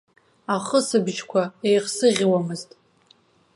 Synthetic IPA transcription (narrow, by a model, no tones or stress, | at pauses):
aχəsɨbʒkʷʰaejqsɨʁʲwamɨztʼ